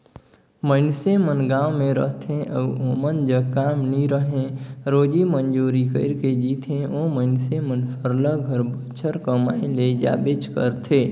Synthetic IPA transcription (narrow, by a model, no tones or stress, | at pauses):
məɪnsemənɡãːwmẽɾə̰ɦt̪ʰẽʔəomənd͡ʒəkaːmniɾəɦẽɾoːd͡ʒimənd͡ʒoːɾikə̰ɪɾked͡ʒiːt̪ʰẽoməɪnsemənsʰəɾləɡʱəɾbət͡ʃʰəɾkəmaːẽled͡ʒa̰ːbet͡ʃkə̰ɾt̪ʰeː